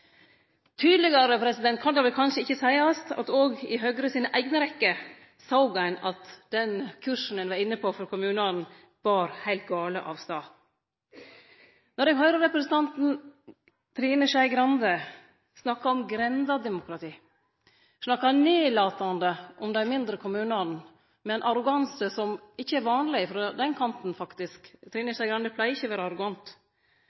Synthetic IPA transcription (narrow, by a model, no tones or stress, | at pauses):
t̪ʰyːd̪lɪɡɑɾəpʰɾɛsɪd̪ɛnt̪̚kʰɑnd̪ɑʋɪlkʰɑnʂəɪçːəsæɪɑst̪ɑ̰t̪oːɡɪɦøːɡɾəsiːnəʔæɪɡnəɾɛkːə | sɑʊɡæɪnɑt̪d̪̥ɛnkʰʉʂɳ̩n̩ənʋɑɾɪnːəpʰoːfɔɾkʰʊmʉːnɑn | ʋɑːɾhæɪlt̪̚ɡɑːləʔɑ̰ːʋst̪ɑː | nɔɾɛŋɦɑʏɾəɾɛpɾɛsn̩t̪ʰɑnt̪n̩ | t̪ʰɾiːnəʂæɪɡɾɑnd̪ə | snɑkːɑɔmɡɾɛnd̪ɑd̪ɛmʊkʰɾɑt̪ʰiː | snɑkːɑneːlɑːt̪ɑnd̪əʔɔmd̪æɪmɪnd̪ɾəkʰʊmʉːnɑnn̩ | mɛnʔɑɾʊɡɑnsəsɔmɪçːəɛɾʋɑːnlɪfɾɑd̪ɛnkʰɑnt̪n̩fɑkt̪ɪskt̪ʰɾiːnəʃæɪɡɾɑnd̪əpʰlæɪɪçːəʋæːɾəɑɾʊɡɑnt̪